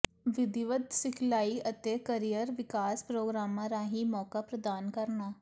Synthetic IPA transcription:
ʋɪd̪ɪʋəd̪sɪkʰlaːiət̪eːkəɾijəɾʋɪkaːspɾoːɡɾaːmãːɾaːɦiːmɔːkaːpɾəd̪aːnkəɾnaː

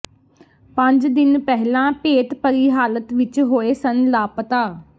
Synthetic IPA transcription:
pə̃ɲd͡ʒd̪ɪnpɛɦlãːpeːt̪pəɾiːɦaːlət̪ʋɪt͡ʃɦoːeːsənlaːpət̪aː

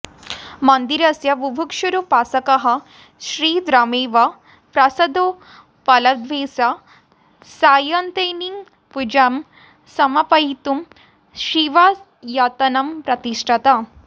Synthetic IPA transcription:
mɐnd̪iɾɐsjɐʋubʱukʂuɾupaːsɐkɐɦɐ | ʃɾiːd̪ɾaːmeːʋa | pɾɐsɐd̪o | pɐlɐd̪ʋeːsa | saːjɐnt̪eniŋ | pud͡ʑɐm | sɐmɐpɐɦit̪um | ɕiʋa | jat̪ɐnɐmpɾɐt̪iʂʈʰɐt̪a

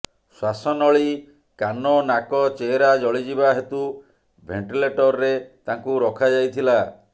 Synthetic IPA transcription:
swasɔnɔɭi | kanɔnakɔt͡ʃeːɾad͡ʒɔɭid͡ʒibaɦet̪u | bʱeɳʈileʈɔɾːet̪aŋkuɾɔkʰad͡ʒajt̪ʰila

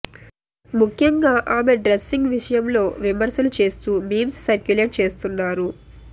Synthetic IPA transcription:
mukʰjɐŋɡaːʔaːme̞ɖɾesːiŋɡʋiʂɐjɐmlo̞ːʋimɐɾsɐlut͡ʃe̞ːst̪uːmiːmssɐɾkjuleʈ̚t͡ʃe̞ːst̪unːaːɾu

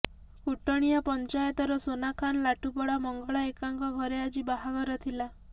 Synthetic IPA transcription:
kuʈɔɽ̃ijapɔnt͡ʃajɔt̪ɔɾɔsonakʰanɔlaʈupɔɽamɔŋɡɔɭaekaŋkɔɡʱɔɾead͡ʒibaɦaɡʱɔɾɔt̪ʰila

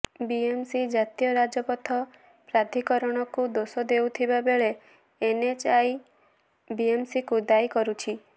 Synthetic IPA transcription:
biemsid͡ʒat̪ijɔɾad͡ʒɔpɔt̪ʰɔ | pɾad̪ʱikɔɾɔɽ̃ɔkud̪osɔd̪ewt̪ʰibabeɭe | enet͡ʃaj | biemsikud̪ajkɔɾut͡ʃʰi

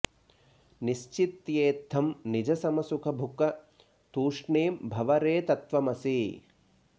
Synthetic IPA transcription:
niʃt͡ʃit̪jeːt̪ʰːɐmnid͡ʒɐsɐmɐsukʰɐbʱukɐ | t̪uːʂɳeːmbʱɐʋɐɾeːt̪ɐt̪ʋɐmɐsi

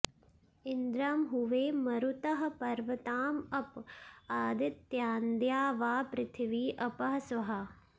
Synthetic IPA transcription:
ind̪ɾaːmɦuʋeːmɐɾut̪ɐɦɐ̆pɐɾʋɐt̪aːmɐpaːd̪it̪jaːnd̪jaːʋaːpɾɪt̪ʰiʋiːʔɐpɐɦɐsʋɐɦɐ

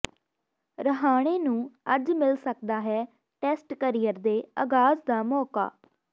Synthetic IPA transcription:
ɾəɦaːɽ̃eːnũːəd͡ʒmɪlsəkd̪aːɦɛː | ʈɛːsʈkəɾijəɾd̪eːəɡaːzd̪aːmɔːka̰ː

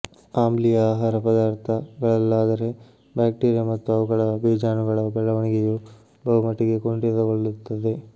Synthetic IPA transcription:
aːmblijɐaːɦaːɾɐpɐd̪aːɾt̪ʰɐɡɐɭɐlːaːd̪ɐɾe̞ | baːk̚ʈeːɾijɐmɐt̪ːuɐʋuɣɐɭɐbiːd͡ʒaːnuɡɐɭɐbɛɭːɐʋɐɳiɡeju | bɐɦumɐʈːiɡe̞koɳɖeðɐɡoɭːut̪ːɐd̪e

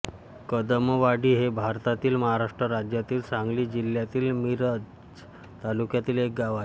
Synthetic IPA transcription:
kəd̪əməʋaɽiːɦebʱaɾt̪at̪iːlməɦaɾaʂʈɾəɾad͡ʑjat̪iːlsãŋɡliːd͡ʑil̤jat̪iːlmiɾə | t̪alukjat̪iːlek̚ɡaʋae

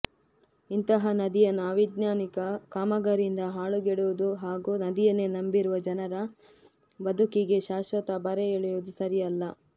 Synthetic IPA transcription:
int̪ɐɦɐnɐd̪ijɐnːaʋid̪naːnikɐkaːmɐɡɐɾind̪ɐɦaːɭuɡeɽuʋud̪uɦaːɡuːnɐd̪ijɐnenɐmbiɾuʋɐd͡ʒɐnɐɾɐ | bɐd̪ukiɡe̞ʃaːʃʋɐt̪ɐbɐɾeeɭjod̪usɐɾijɐlːɐ

